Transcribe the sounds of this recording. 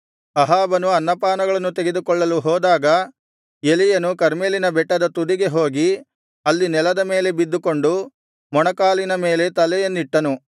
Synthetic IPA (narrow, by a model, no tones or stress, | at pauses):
ɐɦaːbɐnuɐnːɐpaːnɐɡɐɭɐnːut̪eɡe̞d̪ukɔɭːɐluɦɔːd̪aːɡɐ | elijɐnukɐɾmeːlinɐbɛʈːɐd̪ɐt̪ud̪iɡe̞ɦo̞ːɡi | ɐlːinɛlɐd̪ɐme̞ːle̞bid̪ːuko̞ɳɖu | mɔɳɐkaːlinɐme̞ːle̞t̪ɐlɛjɐnːiʈːɐnu